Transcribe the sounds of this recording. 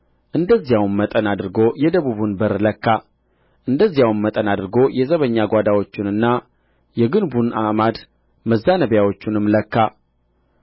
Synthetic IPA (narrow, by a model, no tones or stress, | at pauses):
ʔɨnd̪əzːijawnmət̪ʼənad̪ɨɾɡo̞jɛd̪əβuβunbɨɾləkːa | ʔɨnd̪əzːijawnmət̪ʼənad̪ɨɾɡo̞jɛzəβəɲːaɡʷad̪awo̞t͡ʃːɪnɨnːa | jɛɡɨnbuna̰mad̪ | məzːanəβjawo̞t͡ʃːɪnɨmːləkːa